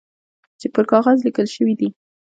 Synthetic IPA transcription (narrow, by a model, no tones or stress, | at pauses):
t͡ʃepəɾkɑɣɑzlikəlʃəwid̪i